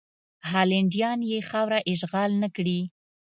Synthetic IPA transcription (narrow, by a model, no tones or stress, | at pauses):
hɑlɪɳɖjɑnjexɑwɾaʔɪʒɣɑlnəkɽi